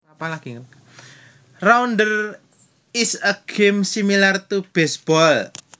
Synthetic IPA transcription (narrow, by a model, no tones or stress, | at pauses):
apalaɡ̥iŋərkḁ | raundər | isəɡ̥ɪmsimilart̪ub̥ɛsb̥ɔl